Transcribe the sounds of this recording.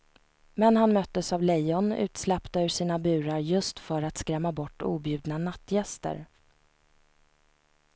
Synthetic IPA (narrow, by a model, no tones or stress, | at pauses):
mɛnɦanmœt̪ːəsavlɛjɔnʉ̟ːt̪slɛpt̪aɵʂiːnabʉ̟ːɾaɾjɵst̪fœɾat̪skɾɛmːabɔʈːṵːbjʉ̟ːd̪nanat̪ːjɛst̪ə̰ɾ